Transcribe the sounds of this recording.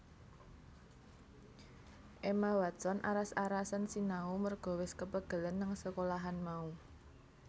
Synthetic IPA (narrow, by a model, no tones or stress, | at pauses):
ʔemawad̥sɔnʔa̰ɾasaɾasənsinaumərɡ̥ɔ̤wɪskəpəɡ̥ə̤lənːəŋsəkolaɦanmau